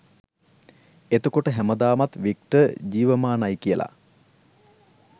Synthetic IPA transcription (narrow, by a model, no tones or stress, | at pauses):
et̪okoʈəɦæməd̪aːmat̪ʋik̚ʈəd͡ʑiːʋəmaːnajkijəlʔa̰